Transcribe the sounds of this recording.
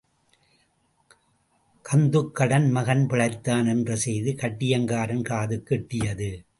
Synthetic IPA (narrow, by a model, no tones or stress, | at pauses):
kɐnd̪ɯkːɐɽɐnmɐɣɐnpɪɭɐɪt̪ːaːnɛndrɐsɛjðɯkɐʈːɪjɐŋɡaːɾɐnkaːðɯkːɪʈːɪjɐðɯ